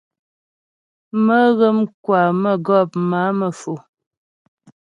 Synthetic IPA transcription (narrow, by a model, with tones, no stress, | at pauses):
mə˦ɣə˦mkwa˨mə˦˨ɡɔ˦˨p̚ma˨˦mə˨fo˨